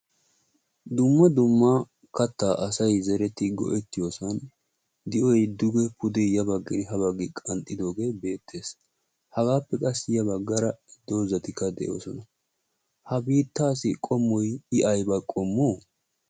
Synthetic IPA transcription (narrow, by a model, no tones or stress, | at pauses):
d̪ʊmːɐd̪ʊmːa | kɐt̪ːaːʔɐsɐjzɛɾɛt̪ɪɡɔ̰ʔɛt̪ːɪjo̞ːsɐn | d̪ɪʔɔjd̪ʊɡɛpʊd̪ɛjɐbɐɡːɛnɪɦɐβɐɡɪkʼɐnt̪ʼːɪd̪o̞ːɡe̞ːbe̞ːt̪ːe̞ːs | hɐɡaːpːɛkʼɐsːjɐbɐɡːɐɾɐd̪̥o̞ːzɐt̪ɪkːɐd̪ɛ̰ʔo̞̰ːsɔnɐ | hɐbiːt̪ːaːsɪkʼɔmːɔjɪʔɐjbɐkʼɔmːoː